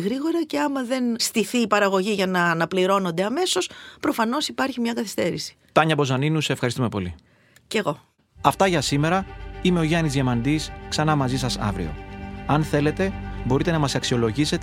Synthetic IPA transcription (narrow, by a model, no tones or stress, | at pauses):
ɣɾiɣo̞ɾɐce̞ɐmɐðe̞nst̪iθiːpɐɾɐɣo̞ʝiʝɐnɐnɐpliɾo̞no̞nd̪e̞ɐme̞so̞spɾo̞fɐno̞sipɐɾçimɲɐkɐθi̥st̪e̞ɾisi̥t̪ɐɲɐpo̞zɐninuseefxɐɾist̪ume̞po̞li | ce̞ɣo̞ | ɐft̪ɐʝɐsime̞ɾɐime̞o̞ʝɐnizʝemɐnd̪isksɐnɐmɐzisɐsɐ̰vɾḭo̞̰ɐnθe̞le̞t̪e̞bo̞ɾit̪e̞nɐmɐsɐksio̞lo̞ʝise̞t̪e